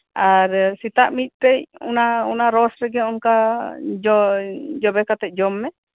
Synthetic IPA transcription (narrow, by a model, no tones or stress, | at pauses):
aɾsit̪aʔmit̪̚ˀt̪ɛc̚ṵnaunaɾɔsɾɛɡɛɔnka | ɔd͡ʒɔbɛkat̪ɛc̚ˀd͡ʒɔmːɛ